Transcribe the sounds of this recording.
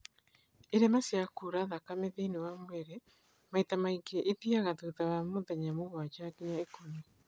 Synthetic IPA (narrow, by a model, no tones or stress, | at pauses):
eɾemasjakuɾaðakameðenewamwɛɾɛ | maitamaiɡɛʔiðiaɣaðuðawamoðɛɲamoɣwat͡ʃakiɲaekoni